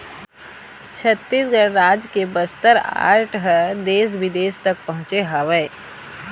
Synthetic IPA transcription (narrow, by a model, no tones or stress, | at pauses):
t͡ʃʰət̪ːiːs̬ɡəɽɾaːd͡ʒkebɐst̪əɾa̰ːɾʈʰɦəd̪eːs̬bɪd̪eːst̪ɐk̚pɐɦʊ̃t͡ʃeɦaʋẽː